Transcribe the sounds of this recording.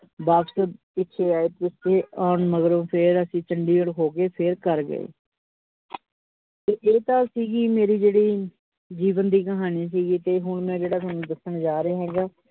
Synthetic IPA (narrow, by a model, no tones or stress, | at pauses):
baːbsəbpɪtːʃʰeːaːeːt̪ɪeːɔːnməɡɾõːpʰɪɾəsĩːt͡ʃəɳɖiːəɽkʰoːkeːpʰɪɾkəɾɡə̰ḛː | t̪eːʔeːt̪ãːsiːɡiːmeːɾiːd͡ʒeːɽiː | d͡ʒiːʋənd̪iːkəɦaːniːs̬iːɡiːt̪eːɦʊɳmɛ̃ːd͡ʒeːɽaːt̪aːnːũːd̪əsəɳd͡ʒaːɾaːɦɛːɡaː